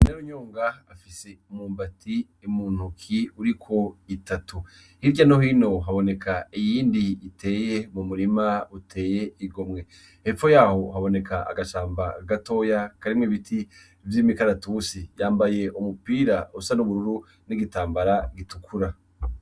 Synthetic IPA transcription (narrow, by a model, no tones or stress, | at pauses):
neɾuɲoːŋɡaːfise̞umuːmbatiː | muːn̥ukʰiuɾikʰo̞itatu | hiɾɟanoɦino̞ɦaβo̞ne̞kʰaijiːndiːtʰe̞ːje̞mumuɾimautʰe̞ːje̞iɡomŋe̞ | hefo̞jaːho̞haβo̞ne̞kaʔa̰ɡaʃaːmbaɡato̞ːjakaɾimŋiβitʰi | vjiːmikaɾatusijaːmbaje̞ʔumupiːɾausanuβuɾuɾu | niɡitaːmbaɾaɡitukʰuɾa